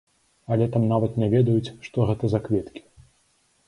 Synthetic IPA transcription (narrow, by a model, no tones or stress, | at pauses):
ɐlʲɛt̪amnavɐt̪nʲɛvʲɛd̪ɐjut͡sʲʂt̪ɔɣɛt̪ɐzakvʲɛt̪kʲi̥